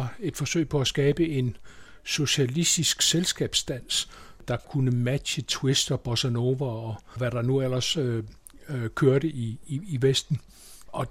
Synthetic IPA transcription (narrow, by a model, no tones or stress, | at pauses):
ɑe̝d̥fɒ̽sø̰ɪ̰pʰɒ̽æsɡ̥ɛːb̥əe̝n | so̝ɕælisd̥isɡ̥selsɡ̥ɛ̰ːb̥sd̥æn̰sd̥ɑ̈kʰunəmæd̥ɕət͡sʰwe̝sd̥ɒ̽b̥ɒsæno̝ʋɐɒʋæɾ̥ɑ̈nuel̰ɐs | kʰøɐɾəʔiiːʋesd̥n̩ | ɒ̽